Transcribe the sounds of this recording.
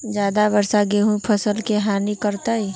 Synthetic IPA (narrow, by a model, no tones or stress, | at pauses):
d͡ʒjaːd̪aʋəɾsaɡeːɦũpʰəsəlkeɦaːnikəɾt̪aːiː